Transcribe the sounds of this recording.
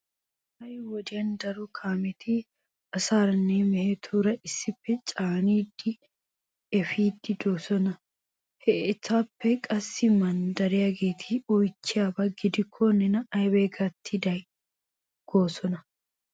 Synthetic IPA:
hɐjwɔd̪ɪjɐnd̪ɐɾʊkʰaːmɛt̪ɪ | ɐsaːɾɐnːeːmɛhet̪ʰuːɾɐɪsːɪfːɛt͡ʃʼaːniːd̪ɪ | ɛfiːd̪ːɪd̪oːsɔnɐ | het̪ʰːaːpːɛkʼɐsːɪmɐnd̪ɐɾɪɐɡeːt̪ʰiɔjt͡ʃːɪɐbɐɡɪd̪ɪkʰːonɛnɐɐjbeːɡɐt̪ʰːɪd̪ɐj | ɡ̥oːsɔnɐ

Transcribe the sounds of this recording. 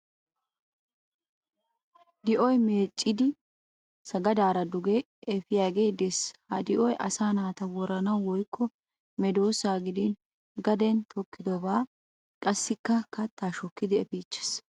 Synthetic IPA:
d̪ɪʔɔjme̞ːt͡ʃʼːɪd̪ɪ | sɐɡɐd̪aːɾɐd̪ʊɡe | ɛfɪjaːɡe̞ːd̪ɛshɐd̪ɪʔɔjʔɐ̰saːnaːt̪ɐwɔɾɐnɐwwɔjkːɔ | mɛd̪o̞ːsaːɡɪd̪ɪn | ɡɐd̪ɛnt̪ʰɔkːɪd̪ɔbaː | kʼɐsːɪkːɐkɐt̪ːaːʃɔkːɪd̪ɪɛfiːt͡ʃːɛ̥s

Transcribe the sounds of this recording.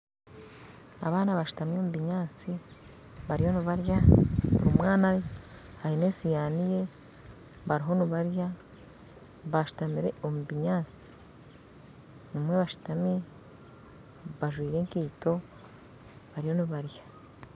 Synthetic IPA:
a̰βaːnaβaʃu̥tamio̞muβiɲaːt͡si | βaɾijo̞nuβaɾjaβṵɾumwaːna | hahinesijaːnije̞ | βaɾiɦo̞nuβaɾja | βaʃu̥tamiɾe̞ʔomuβiɲaːt͡si̥ | numweβaʃu̥tami | βaʒwiːɾe̞ŋkiːto̞ | βaɾijo̞nuβaɾjḁ

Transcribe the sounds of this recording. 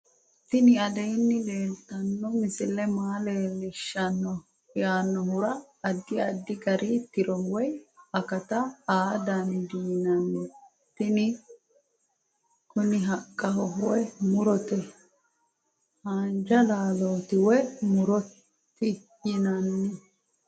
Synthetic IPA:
t̪ːɪnɪɐd̪ɛjnːɪle̞ːlt̪ːɐnːɔmɪsɪlɛmaːleːlɪʃːɐnːɔ | jaːnːɔhʊɾɐː | d̪ːɪɐd̪ːɪɡɐɾʔit̪ːɪɾɔwɔjɐkɐt̪ɐaːd̪ɐnd̪iːnɐnːɛ | t̪ːɪnɪ | kʊnɪɦɐkʼːɐhɔɦwɛmʊɾɔt̪ɛ | haːnd͡ʒɐlaːloːt̪ɪwɛmʊɾɔtː | ɪ | jɪnɐnːɛ

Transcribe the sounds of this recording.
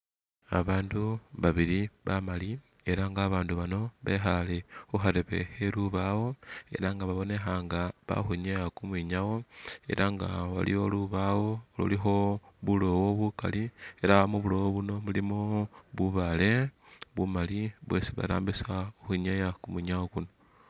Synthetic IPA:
a̰βaːnduβaβiɾiβamali | e̞ɾaŋɡaːβaːnduβano̞βexale̞uxaɾeβe̞̰xeluβawo̞e̞̰ɾaŋɡaβaβo̞ne̞xaŋɡaβa̰xuɲejakumwiɲawo̞e̞̰ɾʔaŋɡaβa̰lḭo̞luβawo̞lṵlixo̞βulo̞wo̞βuka̰lie̞ɾaβamuβulo̞woβuno̞mulimoβuβale̞βumaliβwḛsiβa̰ɾa̰ːmbisauxiɲejakumwiɲawokuno̞

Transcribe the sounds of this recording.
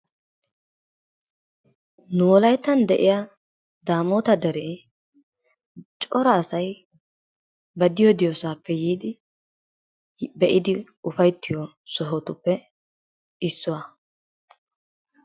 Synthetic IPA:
nʊɔlɐjt̪ːɐnd̪ɛʔɪ̰ja | d̪aːmoːt̪ɐd̪ɛɾeː | t͡ʃʼɔɾɐːsɐj | bɐd̪ɪjod̪ɪjosaːpːɛjiːd̪ɪ | bɛʔɪd̪ɪ | ʊfɐjt̪ːɪjɔ | sɔɦɔt̪ʊpːɛ | ɪsːʊwa

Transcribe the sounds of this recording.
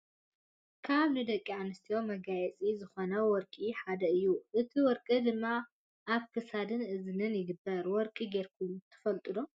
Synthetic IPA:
kʰaβnɨd̪ɐkʼːiʕanɨst̪ʰijo̞mɐɡajɛt͡sʼizɨxo̞nɐwɔɾkʼiħad̪ɐɨjːuʔɨt̪ʰiwɔɾkʼɨd̪ɨmːa | ʔaβkʰɨsad̪ɨnɨznɨnjɪɡɨbːɐɾwɔɾkʼiɡeɾkʰut̪ʰɐ̥fɐlt̪ʼɨlo

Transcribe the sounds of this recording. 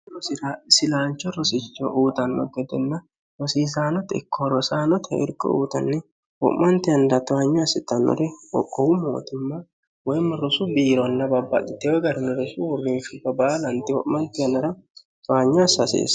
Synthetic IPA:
ɾɔsɪɾasɪlaːnt͡ʃːɔɾɔsɪt͡ʃːɔʔuːt̪ɐnːɔ̰ɡɛd̪ɛnːɐ | ɾɔsiːs̬aːnɔt̪ɪ̰kʰːɔɾɔsaːnɔt̪ʰɛ̰ɪ̰ɾkʼːɔ̰ṵːt̪ɐnːɛ | wɔ̰ʔmɐnt̪ɪɐnd̪ɐt̪ɔaɲːɔɐsɪt̪ːɐnːɔ̰ɾɛɔ̰kʼːɔwʊmo̰ːt̪ɪmːɐ | wɔjmɔɾɔsʊbiːɾɔnːɐbɐbːɐ̰ᶑɪt̪ːewɔɡɐɾɪnɔɾɔsʊwɔrːinʃʊbɐbaːlɐnt̪ɪwɔ̰ʔmːɐnt̪ɪɐnːɐɾɐ | t̪ɔaɲːɔsɐsḛːs

